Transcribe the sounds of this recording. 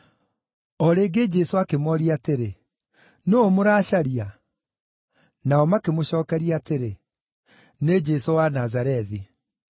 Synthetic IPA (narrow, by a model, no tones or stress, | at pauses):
ɔɾeːɡed͡ʒɛsoakemɔɾiateɾe | noomoɾaːɕaɾia | naɔmakemoɕɔːkɛɾiateɾe | ned͡ʒɛsowanazaɾɛði